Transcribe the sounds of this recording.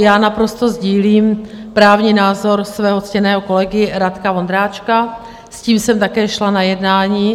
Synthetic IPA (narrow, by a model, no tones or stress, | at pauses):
jaːnapɾo̞st̪o̞zɟiːliːm | pɾaːvɲinaːzo̞ɾsvɛːɦo̞t͡scɛnɛːɦo̞ko̞lɛɡɪɾat̪kavond̪ɾaːt͡ʃka | sciːmsɛmt̪akɛːʃlanajɛdnaːɲiː